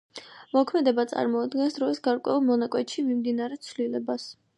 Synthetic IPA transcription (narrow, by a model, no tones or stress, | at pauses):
mɔkʰmɛd̪ɛbat̪sʼa̰ɾmɔad̪ɡɛnsd̪ɾɔisɡaɾkʼwɛ̰ulˠmɔnakʼwɛt̪ʃimimd̪inaɾɛt̪sʰvlilɛbas